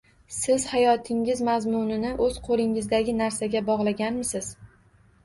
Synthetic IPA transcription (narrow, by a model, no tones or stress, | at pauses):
sɪz̥hajɒt̪ʰɪŋɪzmazmʊnɪnɪʔɵz̥qʰolɪŋɪzd̪aɡʲɪnaɾsaɡʲabɒʁlˠaɡʲanmɪsɪz̥